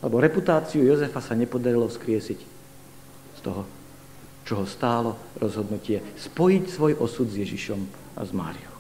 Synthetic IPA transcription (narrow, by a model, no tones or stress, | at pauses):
alɛbɔɾɛput̪aːt͡siujɔzɛfasaɲɛpɔd̪aɾilɔfskɾɪɛsic | st̪ɔɦɔ | t͡ʃɔɦɔst̪aːlɔɾɔzɦɔd̪nucɪɛspɔjicsʋɔjʔɔsud̪zjɛʒiʃɔm | a̰zma̰ːɾḭjɔʊ